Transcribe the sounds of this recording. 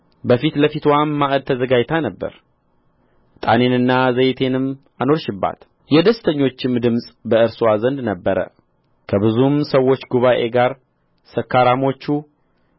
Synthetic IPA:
bəfit̪ləfit̪wanːaʔɨd̪̚t̪ʰəzəɡajt̪ʰanəbːə̰ɾ | t̪ʼa̰ne̞nɨnːazəjt̪ʰe̞nɨm | ano̞ɾʃɪbːa̰t̪ | jɛd̪əst̪ʰəɲːo̞t͡ʃːɪmd̪ɨmsʼbəɨɾsuazənd̪nəbːəɾə̰ | kʰəbɨzumsəwːo̞t͡ʃːɡuβaʔe̞ɡaɾ | səkːaɾamo̞t͡ʃːu

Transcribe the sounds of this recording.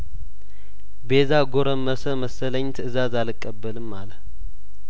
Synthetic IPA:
bezaɡoɾəmːəsəməsələɲːt̪ɨzazalɨkʼːəbːəlɨmːal

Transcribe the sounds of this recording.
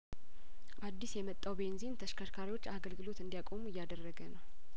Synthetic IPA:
ʔad̪ːisjɛmət̪ʼːawbe̞nzint̪ʰəʃkʰəʃkʰaɾiwo̞t͡ʃːaɡəlɡɨlo̞t̪ɨnd̪ijakʼo̞muɪjːad̪ərːəɡənəw

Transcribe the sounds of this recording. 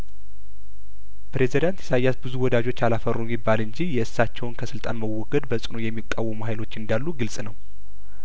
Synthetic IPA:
pɾe̞zid̪ant̪jɛsajːasbɨzuwɔd̪ad͡ʒo̞t͡ʃːalafərːumibːalɨnd͡ʒijɛɨsːat͡ʃːɛwnkʰəsɨlt̪ʼanməwːɔɡəd̪bəsʼɨno̞jɛmːikʼːawːəmuɦajlo̞t͡ʃːɨnd̪alːuɡɨlsʼnəw

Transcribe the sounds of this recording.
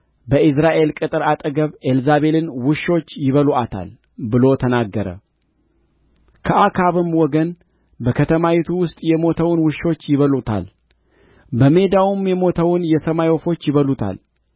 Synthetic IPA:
bəɨsɾaʔe̞lkʼɨt̪ʼɨɾat̪ʼəɡəβelzaβe̞lɨnwʊʃːo̞t͡ʃːjɪβəluʔat̪ʰa̰l | bɨlo̞t̪ʰənaɡːəɾə̰ | kʰəʔakʰaβɨmwɔɡən | bəkʰət̪ʰəmawit̪ʰuwʊst̪ʼjɛmo̞t̪ʰəwnwɨʃːo̞t͡ʃːjɪβəlut̪ʰa̰l | bəme̞d̪awumjɛmo̞t̪ʰəwnjɛsəmajɔfo̞t͡ʃːjɪβəlut̪ʰa̰l

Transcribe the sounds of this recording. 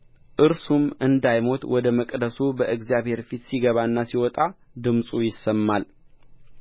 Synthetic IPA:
ʔɨɾsumɨnd̪ajmo̞t̪ʼwɔd̪əməkʼd̪əsubəʔɨɡzijaβhe̞ɾfit̪siɡəβaɨnːasiwɔt̪ʼa | d̪ɨmsʼujɪsəmːal

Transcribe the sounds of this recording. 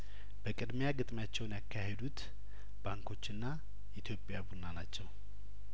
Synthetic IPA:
bəkʼɨd̪mjaɡɨt̪ʼmjat͡ʃːɛwnjakʰːahed̪ut̪ | baŋkʰo̞t͡ʃːɨnːa | ʔit̪ʰjo̞pʼjabunanat͡ʃːɛw

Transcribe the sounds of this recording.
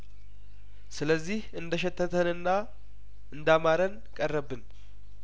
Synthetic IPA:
sɨləzːihɨnd̪əʃɛt̪ʰːət̪ʰənɨnːa | ɨnd̪amaɾən | kʼərːəbːɨn

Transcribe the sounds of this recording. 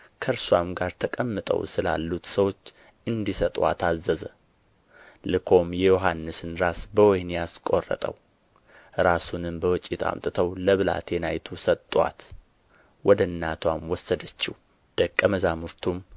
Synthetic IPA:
kʰəɾswamɡaɾt̪ʰəkʼəmːɨt̪ʼə̰wsɨla̰lːut̪səwo̞t͡ʃː | ʔɨnd̪isət̪ʼwa̰t̪ʰazːəzə | lɨkʰo̞mjɛjoɦanːɨsɨnɾasbəwɔjnijaskʼo̞rːə̰t̪ʼə̰w | ɾasunɨmbəwɔt͡ʃʼːit̪ʰa̰mt̪ʼɨt̪ʰəwləβɨla̰t̪ʰjɛnajt̪ʰusət̪ʼːwa̰t̪ | wɔd̪əɨnːat̪ʰwamwɔsːəd̪ət͡ʃːɪ̰w | d̪̥əkʼːəməzamuɾt̪ʰum

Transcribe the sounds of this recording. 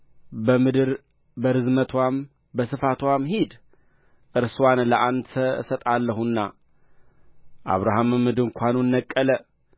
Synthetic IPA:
bəmɨd̪ɨɾ | bəɾɨzmət̪ʰwam | bəsɨfat̪ʰwamɦid̪ | ʔɨɾswanləʔandt̪ʰəsət̪ʼalːəɦunːa | ʔa̰βɾaɦamɨmːɨd̪ɨŋkʷanunːəkʼːələ

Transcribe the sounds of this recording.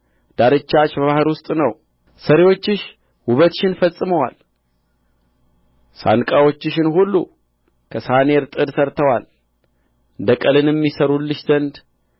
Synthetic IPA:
d̪̥aɾɨt͡ʃːat͡ʃːbəβahɨɾwʊst̪ʼnəw | səɾewo̞t͡ʃːɪʃ | wʊβət̪ʃɪnfəsʼɨməwal | sa̰nkʼawo̞t͡ʃːɪʃɪnhulːu | kʰəsaneɾt̪ʼɨd̪səɾt̪ʰəwal | ɨnd̪əkʼəlɨnjɛmːisəɾulːɨʃzənd̪

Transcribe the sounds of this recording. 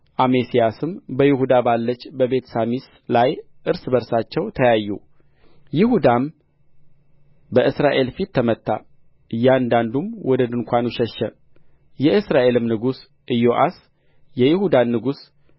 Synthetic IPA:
ʔamesijasɨmbəjɪhud̪abalːət͡ʃːbəβe̞t̪samis | laj | ʔɨɾsɨbəɾsat͡ʃːɛwt̪ʰəjajːṵ | jɪhud̪am | bəʔɨsɾaʔe̞lfit̪ʰːəmət̪ʰːa̰ | ʔɨjːand̪and̪umwɔd̪əd̪ɨŋkʷanuʃɛʃːə | jɛʔɨsɾaʔe̞lɨmnɨɡus | ʔɨjːoʔa̰s | jɛjɪhud̪anːɨɡus

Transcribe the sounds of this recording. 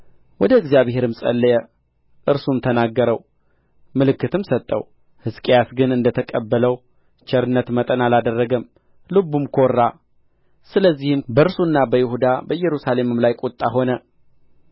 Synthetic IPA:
wɔd̪əɨɡzjaβhe̞ɾɨmsʼə̰lːəjɛ | ʔɨɾsumt̪ʰənaɡːəɾəw | mɨlɨkːɨt̪ɨmsət̪ʼːə̰w | hɨskʼjasɡɨnɨnd̪ət̪ʰəkʼəbːələw | t͡ʃʰɛɾɨnːət̪mət̪ʼənalad̪ərːəɡəm | lɨbːumkʰo̞rːa | sɨləzːihɨmbəɨɾsunːabəjɪhud̪abəjːɛɾusale̞mɨmlajkʼot̪ʼːaɦo̞nə

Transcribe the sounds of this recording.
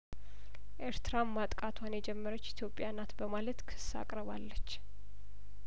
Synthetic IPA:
ʔeɾt̪ɾammːat̪ʼkʼat̪ʰwanjɛd͡ʒɛmːəɾət͡ʃːit̪ʰjo̞pʼːjanat̪bəmalət̪kʰɨ̥sːa̰kʼɾəβalːət͡ʃː

